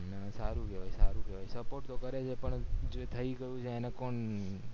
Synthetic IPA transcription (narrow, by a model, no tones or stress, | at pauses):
nəsaɾũkeʋajsaɾũkeʋajsəpoɾʈt̪okəɾet͡ʃʰepəɳd͡ʒoet̪ʰəikəjũt͡ʃʰeːnekoɳ